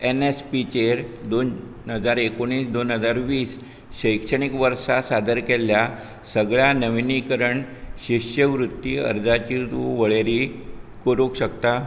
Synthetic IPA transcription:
enespit͡ɕeɾd̪on | ɦəd͡zaɾekoɳ̃iːsd̪onɦəd͡zaɾʋiːs | ɕəjkʂəɳ̃ikʋəɾsasad̪əɾkelja | səɡɭjanəʋinikəɾəɳɕiɕjəʋɾut̪ːiːə̰ɾd͡zat͡ɕiːd̪uʋəɭeɾikoɾukɕəkt̪a

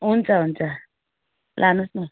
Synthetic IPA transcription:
unt͡sʼaund͡zʱa | lʔanusnɛ

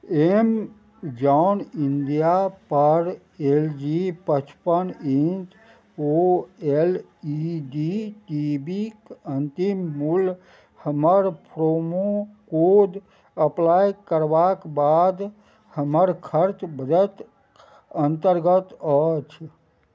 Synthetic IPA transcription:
em | d͡ʒaʊnind̪ijapəɾ | eld͡ʒipət͡ʃʰpənint̪ | oel | iɖiʈibikənt̪imːul | həməɾpʰɾomokod̪ | əplajkəɾbakbad̪ | həməɾkʰəɾt͡ʃbəd̪ət̪ | ənt̪əɾɡət̪ət͡ʃʰ

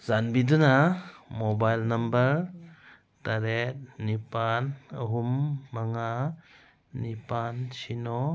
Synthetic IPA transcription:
zanbidunamɔbajlnɐmbəɾ | taɾet̚nipanəɦumːaŋaː | ipansinɔ

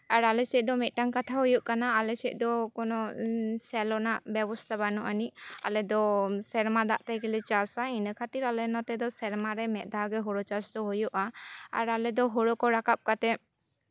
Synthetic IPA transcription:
aɾalɛsɛc̪̚d̪ɔmɛʔ̪̚ˀʈaŋkat̪ʰaɦujuʔkanaːlɛsɛc̚ˀd̪ɔkɔnɔsɛlɔnaʔbjɛbɔst̪ʰabanɔʔaniʔa̰lɛd̪ɔsɛɾmad̪aʔt̪ajkɛlɛt͡ʃasainəkʰat̪iɾalɛnɔt̪ɛd̪ɔsɛɾmaɾɛmɛʔ̪̚ˀd̪ʱaɡɛɦɔɽɔt͡ʃasd̪ɔɦojuʔaa̰ɾalɛd̪ɔɦɔɽɔkɔɾakap̚kat̪ɛ

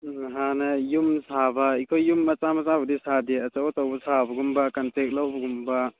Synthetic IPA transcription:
ɦanɐjumsabaikʰojjːumɐt͡ʃamɐzabɐdisadiɐt͡ʃawbɐtawbɐsʰabɐɡumbakantek̚lawbɐɡumba

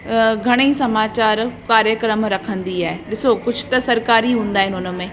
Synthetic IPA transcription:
ɡʱɐɽ̃eisɐmaːt͡ɕaːɾkaːɾjəkɾəmɾɐkʰə̃nd̪iaːɦeɗɪsokʊd͡ʑʱʊt̪ɐsɐɾkaːɾiɦũːnd̪aːɦɪnɪʊn̆mẽː

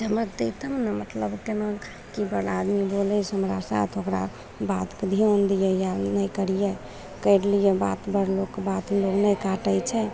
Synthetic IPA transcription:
d͡ʒɦəmɾat̪ət̪əmnəmət̪ləbkena | kibəɽad̪mibolɛjt͡ʃʰɦəmɾasa̰t̪ʰokɾa̰ | bat̪ked̪ʱiond̪ijɛjanəjkəɾije | kəɪɾlijeba̰t̪bəɽlokkːebat̪loknəjkaʈəjt͡ʃʰɛ

